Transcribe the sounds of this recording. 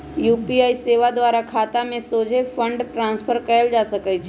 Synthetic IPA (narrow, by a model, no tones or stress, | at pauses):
juːpiaːiseːʋad̪ʋaːɾakʰaːt̪amẽsoːd͡ʒʱepʰə̃ɳɖʈɾãːnspʰəɾkəəld͡ʒaːsəkəjt͡ʃʰː